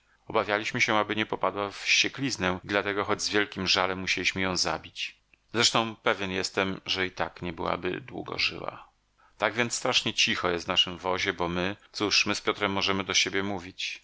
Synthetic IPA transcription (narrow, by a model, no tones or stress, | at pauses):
ɔbavʲjalʲiɕmɘɕɛabɘɲɛpɔpad̪wafɕt͡ɕɛklʲiznɛd̪lat̪ɛɡɔxɔd͡ʑzvʲjɛlkʲimʐalɛmːuɕelʲiɕmɘjɔ̃w̃za̰bʲit͡ɕ | zɾɛʂt̪ɔ̃w̃pɛvʲjɛnjɛst̪ɛmʐɛit̪akɲɛbɘwa̰bɘ̰d̪wṵɡɔ̰ʐɘ̰wa̰ | t̪aɡvʲjɛnt̪st̪ɾaʂɲɛt͡ɕixɔjɛsvnaʂɘmvɔʑɛbɔmɘt̪suʂmɘspʲjɔt̪ɾɛmːɔʐɛmɘd̪ɔɕebʲjɛmuvʲit͡ɕ